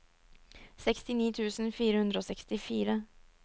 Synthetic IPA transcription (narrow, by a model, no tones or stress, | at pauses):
sɛkst̪ɪniːt̪ʰʉːsnfiːɾəhɵnd̪ɾəoːsɛkst̪ɪfiːɾə